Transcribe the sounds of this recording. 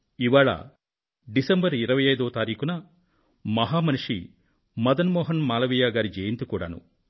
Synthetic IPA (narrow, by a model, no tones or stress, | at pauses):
iʋaːɭɐ̰ | ɖisɐmbɐɾiɾɐʋɐjɐjd̪oːt̪aːɾiːkunɐ | mɐɦaːmɐnuʂḭ | mɐd̪ɐnmɔːɦɐnmaːlɐʋijaːɡaːɾid͡ʒeːjint̪ukuːɽɐ̰nṵ